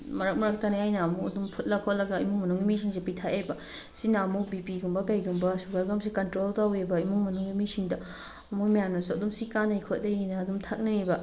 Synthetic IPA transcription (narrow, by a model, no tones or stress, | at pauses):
mɐɾɐk̚mɐɾɐk̚taniajnɐːmuɐdumpʰut̚lɐkʰot̚lɐɡɐimuŋmɐnuŋɡimis̬iŋs̬epitʰajʔajbɐ | sinaɐmubipiɡumbɐkajɡumbɐsuɡaɾɡɐms̬ikɐntɾoltawebɐimuŋmɐnuŋɡimisiŋdɐ | ɐmumijanosɐdumsikanɐjkʰot̚dɐjinɐːdumtʰak̚nɐibɐ